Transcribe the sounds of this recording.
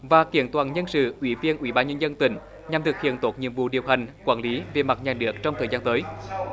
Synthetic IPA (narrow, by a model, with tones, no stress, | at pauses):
vaː˨˩ki˧˩ənt̪waː˨˩nɲə˧nsɨ̰˧˨ʔwi˧˩˦vi˧ənʔwḭ˧˦ɓaː˧nɲə˧nzə˧nt̪ï˧˩ŋ̟ | ɲa˨˩mt̪ʰɨ˨˩k̚hḭ˧˨ənt̪o˨˥t̚ɲḭ˧˨əmvṵ˧˨ɗi˨˩əwɦa˨˩ŋ̟kwaː˧˩nli˨˦ve˨˩ma˨˩t̚ɲaː˨˩ɗɨ˨˩ək̚t͡ɕɔ˧wŋ͡mt̪ʰəː˨˩zaː˧nt̪əː˨˦j